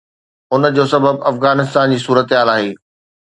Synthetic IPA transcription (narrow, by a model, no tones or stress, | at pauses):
ʊnəd͡ʑoːsɐbəbɐfɣaːnɪst̪aːnd͡ʑiːsuːɾət̪ɦaːlaːɦeː